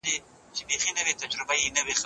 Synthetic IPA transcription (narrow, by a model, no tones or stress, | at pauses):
d̪e | t͡ʃɪbexinəwet̪ad͡ʒɾɪbajinəwex